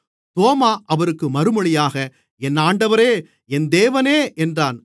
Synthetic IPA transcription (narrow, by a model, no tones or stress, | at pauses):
t̪oːmaːʔɐʋɐɾɯkːɯmɐɾɯmɯɭɪjaːɣɐ | ɛnːaːɳɖɐʋɐɾeː | ɛnd̪eːʋɐneːʔɛndraːn